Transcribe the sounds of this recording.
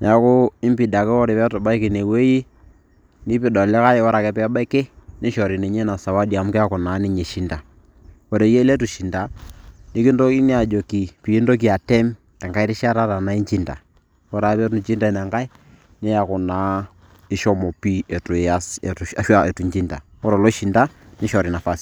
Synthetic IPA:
n˨a˦kʊ˦ɪ˦mpi˨da˨kɪ˦ɔ˦ɾe˨pɛ˦tʊ˨ba˦ɪ˦kɪ˨ne˨we˦ji˦ | nɪ˦pɪ˨dɔ˨lɪ˦ka˦jwɔ˦ɾa˨kɛ˦pɛ˦ba˦ɪ˦ke˦nɪ˦ʃɔ˨ɾi˨ne˨ɲe˦na˨sa˨wa˦dja˨˦m˦kɛ˦a˦kʊ˨naː˨˦nɪ˦ɲe˨ʃi˦nda˨ | wɔ˨ɾe˨je˦le˦tu˨ʃi˨nda˨nɪ˦kɪ˦ndo˦i˦ni˦a˨d͡ʒo˨ki˨pi˨i˦ndo˦k̬i˨a˨tɛ˦m | tɛ˨ŋka˦ɪ˦ɾɪ˦ʃa˦ɾa˦ta˨na˨˦i˦ɲt͡ʃi˦nda˨ | wɔ˦ɾa˨˦pɛ˦ɾn˦ɲt͡ʃi˦nda˦˨nɛ˨ŋka˦ɪ˦ | nɪ˦ja˨kʊ˨naː˨˦ | ɪ˦ʃɔ˦mɔ˨pi˦ɛ˨tu˨a˦sɛ̰˨a˦ʃwa˦ɛ˨tu˨ɲt͡ʃi˦nda˨ | wɔ˦ɾɔ˨lo˦ʃi˨nda˦ | nɪ˦ʃɔ˨ɾɪ˨na˨fa˦s

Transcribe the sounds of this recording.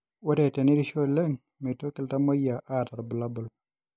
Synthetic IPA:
wɔ˦dɛ˨tɛ˨ni˦ɾi˦ʃo˦lɛ˦ŋ | me˨to˦kɪ˦lta˦mo˦ja˨ʔa˦˨ta˨ɾbu˨la˦bʊ˨l

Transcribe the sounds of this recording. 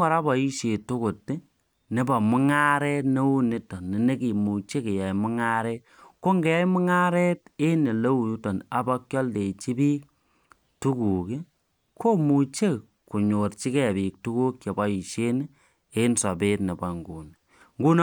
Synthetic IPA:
ɔ˨ɾa˦bɔ˨i˦ʃe˨tu˦ku˨tːi˦ | ne˨bɔ˨mʊ˦ŋa˦ɾɛ˦tne˦u˦ni˦tɔ˨nːi˨ne˦ki˨mu˨t͡ʃe˦ke˨jɔ˨jmʊ˦ŋa˦ɾɛ˦t | ko˦ŋɡe˨jɔ˦jmʊ˦ŋa˦ɾɛ˦te˦ne˨le˦u˨ju˦tɔ˨na˨bɔ˦kjɔ˦lde˨t͡ʃi˦biː˦k̚ | tu˦ku˨ki˦ | kʰo˦mu˨t͡ʃe˦k | ku˨ɲo˨rt͡ʃi˦kɛ˨biː˨k̚tu˦ku˦kje˨bɔ˨i˨ʃe˦n˦ | e˦nsɔ˨pe˦tne˨ba˨ŋɡṵ˨n | ŋɡu˦n

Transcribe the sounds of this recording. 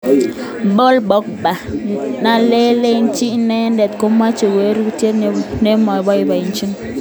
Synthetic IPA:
bo˦lbɔ˦k̚ba˨na˨le˦le˦nt͡ʃi˦nɛ˦ndɛ˨tko˦ma˦t͡ʃo˨we˨˦ɾu˦te˦tnɛ˦mɔ˨bɔ˦ɪ˨˦ba˨i˨nt͡ʃi˦ŋ

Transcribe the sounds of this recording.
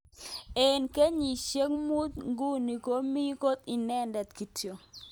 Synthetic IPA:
e˨nke˦ɲi˨ʃe˦kmu˦t̪ŋɡu˦ni˨ko˦mi˦ko˦t̪i˨nɛ˦ndɛ˨t̪ki˨tʰjo˨

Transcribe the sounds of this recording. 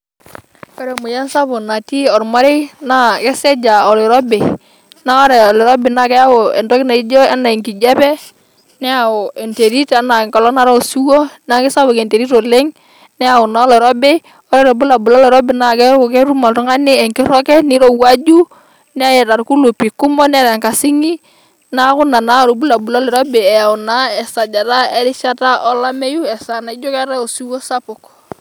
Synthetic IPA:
ɔ˦ɾɛ˨mʊ˨ja˦nsa˦bʊ˨na˨ti˦ɔ˨ɾma˦ɾe˦na˦kɛ˦sɛ˦d͡ʒa˨ɔ˨le˨ɾɔ˦be˨ | na˦ɔ˦ɾɛ˨ɔ˨lɪ˨ɾɔ˦bɪ˨na˨kɛ˦ja˦wɔ˨ɛ̰˨ndɔ˦kɪ˦na˨i˦d͡ʒɔ˦ɛ˦na˨i˨ŋki˨d͡ʒa˦pɛ˦ | nɛ˦a˨ɔ˨ɛ˨nte˨ɾi˦ta˨˦na˨ŋkɔ˨lɔ˦na˨ɾɔ˦o˨su˦wɔ˦n˦a˨kɪ˦sa˦bʊ˨kɛ˨nte˨ɾi˦tɔ˨le˦ŋ | nɛ˦a˨ʊ˨na˨ɔ˦lɔ˨ɾɔ˦bɛ˦ | ɔ˦ɾɛ˦ɾɔ˨bu˦la˨bʊ˨lɔ˦lɔ˨ɾɔ˦bɛ˨na˨kɛ˦ʊ˨kɛ˦ɾu˦ma˨ltʊ˦ŋa˦nɪ˦ɛ˨ŋkɪ˦ɾɔ˦kɛ˦nɪ˦ɾo˨wa˦d͡ʒu˦ | nɛ˦a˦jɛ˨ta˨ɾku˦lu˨pi˨kʊ˦mɔ˦nɛ˦ɾɛ˨ŋka˨sɪ˦ŋi˦ | na˦kʊ˦na˨na˦ɾo˨bu˦la˨bu˨lɔ˦lɛ˨ɾɔ˦be˨ɛ˨a˨ʊ˨na˦ɛ˨sa˨d͡ʒa˨ɾa˦ɛ˦ɾɪ˦ʃa˦ta˦ʔɔ˦la˦mɛ˦ju˦ɛ˨sa˨na˨ɪ˦d͡ʒɔ˦kɛ˦ɾa˦o˨su˦wo˦sa˦pʊ˨k

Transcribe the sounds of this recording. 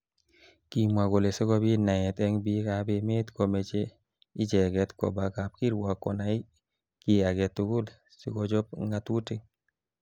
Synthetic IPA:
ki˨mwa˨ɡo˨le˨si˦kɔ˦bi˦na˨ɛ˨t̪ɛ˦ŋbi˦ka˨˦be˨me˦t̪ko˨me˨t͡ʃe˦ | i˦d͡ʒɛ˨ɡɛ˨tkɔ̰˨ba˨ka˨p̚ki˦ɾwa˨kːɔ̰˨na˨˦i˦ | ki˨a˨ɡɛ˨tːu˨kʊ˦l | si˦kɔ˦d͡ʒɔ˦pŋa˨tu˦te˦ŋ

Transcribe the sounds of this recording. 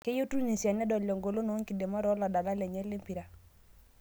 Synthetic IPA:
ke˦jo˦tu˦lni˨sa˨nɛ˦dɔ˨ljɔ˨ŋɡo˨lo˦no˨˦ŋki˨de˨ma˦ɾɔ˨˦la˨da˨la˦lɛ˨ɲɛ˦le˦mpi˨ɾa˨

